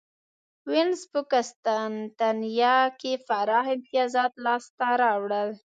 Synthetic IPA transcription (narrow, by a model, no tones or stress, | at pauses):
wɪnzpəkast̪ant̪anjɑkefaɾɑhɪnt̪ɪjɑzɑt̪lɑst̪aɾɑwɽəl